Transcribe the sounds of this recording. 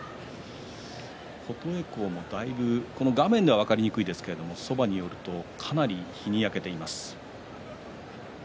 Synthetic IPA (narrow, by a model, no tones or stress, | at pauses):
ho̞t̪o̞e̞ko̞ːmo̞d̪aibɯ̟ko̞noɡamẽ̞nd̪e̞βaβ̞akaɾʲiɲ̟ikɯ̟id̪esɨ̥ke̞ɾe̞d̪o̞mo̞so̞baɲ̟ijo̞ɾɯ̟t̪o̞kʰanaɾʲiçiɲ̟iake̞t̪e̞imasɨ̥